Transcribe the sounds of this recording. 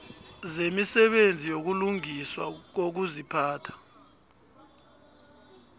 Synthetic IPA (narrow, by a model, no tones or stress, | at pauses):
zemisɛɓend͡zʱijok̬uluŋiswa̰k̬ok̬uzipʰaːtʰḁ